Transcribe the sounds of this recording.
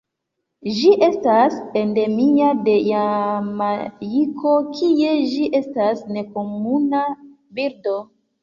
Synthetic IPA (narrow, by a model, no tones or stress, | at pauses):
ʒiʔe̞staspende̞miade̞jamajikʰo̞kʰie̞ʒd͡ʒiʔe̞stasne̞komuna | biɾdo̞